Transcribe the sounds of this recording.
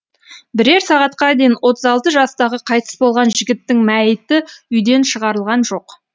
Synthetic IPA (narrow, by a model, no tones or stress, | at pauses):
bɪɾe̞ɾsɑʁɑt̪̚qɑd̪e̞jɪnwo̞t̪əzɑlˠt̪əʒɑst̪ɑʁəqʰɑjt̪ə̥sbo̞lˠʁɑnʒɪɡʲɪt̪ːɪŋmæjɪt̪ɪʏjd̪e̞nʃəʁɑɾəlˠʁɑnʒo̞q